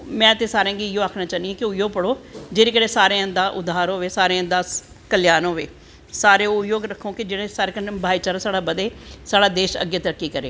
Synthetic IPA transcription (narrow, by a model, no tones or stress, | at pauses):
mɛ̃ːt̪eːsaːɾẽːɡiːɪjõːaːkʰnãːt͡ʃaːniɛ̃ːkɪʊpjoːɡ̚pəɽoːd͡ʒeːɾeːkəɾeːsaːɾeːə̃nd̪aːʔʊ̰d̪aːɾɦoːʋeːsaːɾẽːd̪aː | kəljaːnɦoːʋeː | saːɾeːʊpjoːɡɾəkʰːõːkɪd͡ʒɪɽẽːsaːɾeːkəɾnebʱaːiːt͡ʃaːɾasaːɽaːbəd̪eːsaːɽaːd̪eːʃə̰ɡːeːt̪əɾəkːiːkəɾḛː